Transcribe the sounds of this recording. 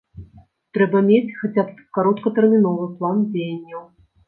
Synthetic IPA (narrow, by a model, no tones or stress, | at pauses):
t̪ɾɛbɐmʲet͡sʲxat͡sʲapkaɾɔt̪kɐt̪ɛrmʲin̪ɔvɨplˠand͡zʲejɐnʲːɐw